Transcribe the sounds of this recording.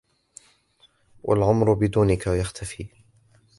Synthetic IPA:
wʔa̰lʕʊmɾʊbɪd̪uːnɪkajaxt̪ʰafiː

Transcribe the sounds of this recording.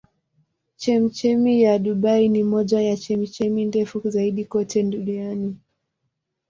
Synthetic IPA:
t͡ʃɛm̩t͡ʃɛmijaɗuɓainimɔʄajat͡ʃɛm̩t͡ʃɛmindɛfuzaiɗikɔtʰɛduniani

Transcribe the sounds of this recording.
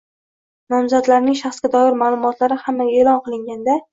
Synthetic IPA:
nɒmzad̪laɾnɪŋʃaχsɡʲad̪ɒjɪɾmaːlˠʊmɒt̪laɾɪhamːaeːlɒnqɨlˠɪŋɡʲand̪a

